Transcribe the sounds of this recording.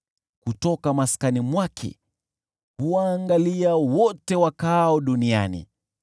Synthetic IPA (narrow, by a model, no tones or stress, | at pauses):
kutɔkamaskanimwakʰɛ̰ | huwaːŋɡaliawɔtɛwakaɔɗunia̰nḭ